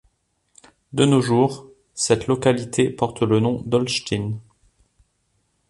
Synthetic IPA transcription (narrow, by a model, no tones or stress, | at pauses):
d̪ənoʒuːʁ | sɛt̪lɔkalit̪ʰepɔʁt̪lənɔ̃d̪ɔlʃt̪ʰin